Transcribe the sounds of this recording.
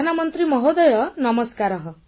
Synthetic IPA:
anamɔnt̪ɾimɔɦod̪ɔjɔnɔmɔskaɾɔɦɔ

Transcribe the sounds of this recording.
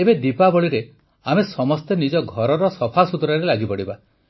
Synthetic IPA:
ebed̪ipabɔɭiɾe | amesɔmɔst̪enid͡ʒɔɡʱɔɾɔɾɔsɔpʰasut̪ɾaɾelaɡipɔɽiba

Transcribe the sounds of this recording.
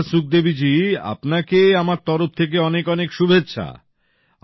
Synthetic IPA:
suk̚d̪ebid͡ʑia̰pnakeamaɾt̪ɔɾoft̪ʰek̬eɔnekɔnekʃubʱetːɕʰa̰

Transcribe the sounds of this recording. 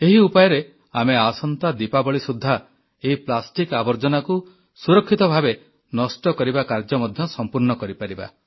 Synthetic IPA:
eɦiupajɔɾe | ameasɔnt̪ad̪ipabɔɭisud̪ʱːa | eɦiplasʈikabɔɾd͡ʒɔnaku | suɾɔkʰːit̪ɔbʱabe | nɔsʈɔkɔɾibakaɾd͡ʒɔmɔd̪ʱjɔsɔmpuɾnɔkɔɾipaɾiba̰

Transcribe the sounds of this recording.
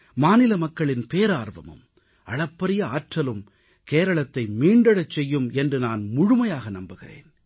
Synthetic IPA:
maːnɪlɐmɐkːɐɭɪnpeːɾaːɾʋɐ̰mɯ̰m | ʔɐɭɐpːɐɾɪjɐaːʈrɐlɯm | keːɾɐɭɐt̪ːɐɪmiːɳɖɐɽɐt͡ʃːɛjːɯmɛndrɯnaːnmʊɻʊmɐjaːɣɐnɐmbɯɣɪrḛːn

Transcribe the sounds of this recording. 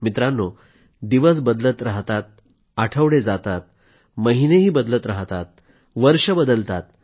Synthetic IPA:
mit̪ɾanːo | d̪iʋəs̬bəd̪lət̪ɾaɦt̪at̪̚ | aʈʰəʋɽed͡zat̪at̪̚ | məɦineɦiːbəd̪lət̪ɾaɦt̪at̪̚ | ʋəɾʂəbəd̪əlt̪at̪̚

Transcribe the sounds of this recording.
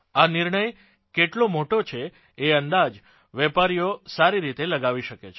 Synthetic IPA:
aniɾɳəj | keʈlomoʈot͡ʃʰeː | ənd̪ad͡ʒ | ʋɛpaɾijosaɾiɾit̪eləɡaʋiʃəket͡ʃʰe

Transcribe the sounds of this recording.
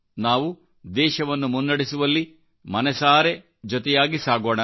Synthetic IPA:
naːʋu | d̪ɛːʃɐʋɐnːumunːɐɽisuʋɐlːi | mɐnɛsaːɾe | d͡ʒɔt̪ɛjaːɡisaːɡoːɳɐ

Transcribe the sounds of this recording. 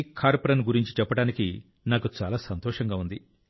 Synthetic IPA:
kʰaːɾpɐɾɐnɡuɾiɲt͡ʃi̥t͡ʃɛpːɐɽaːniki | naːkut͡ʃa̰ːlaːsɐnt̪ɔːʂɐŋɡaːund̪i

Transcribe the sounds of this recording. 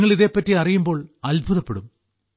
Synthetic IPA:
ŋːɐɭiðe̞ːpːɐtːiɐrijumbo̞ːɭɐlbʱuðɐpːeɽum

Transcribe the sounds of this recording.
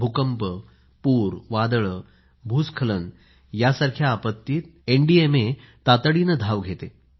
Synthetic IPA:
bʱukəmpə | puːɾʋad̪əɭə | bʱuskʰələn | jasaɾkʰjaːpət̪ːiːt̪̚eɳɖieme | t̪at̪əɽinəd̪ʱaʋɡʱet̪e

